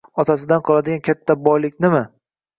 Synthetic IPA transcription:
ɒt̪ʰasɪd̪anqʰɒlˠad̪ɪɡʲankʲʰat̪ʰːabɒjlɪkʲnɪmɪ

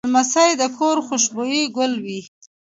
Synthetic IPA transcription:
masajd̪əkʰoɾxʊʃbojiɡʊlwi

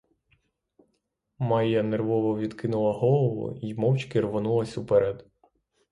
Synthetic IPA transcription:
mɑjːɐnerʋɔʋɔʋʲid̪kɪnʊlˠɐɦɔlˠɔʋʊ̰imɔwt͡ʃkɪrʋɔnulˠɐsʲupɛɾɛd̪

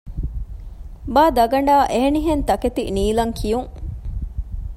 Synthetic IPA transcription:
baːd̪ɐɡɐɳɖaːʔeɦeniɦent̪ɐket̪ḭniːlɐŋkʰijuŋ

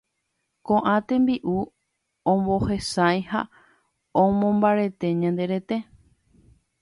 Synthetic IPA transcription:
kõʔãt̪ẽ̞mbiʔu | õmbo̞he̞sajha | õmõmbaɾe̞t̪e̞ɲãnd̪e̞ɾe̞t̪e̞

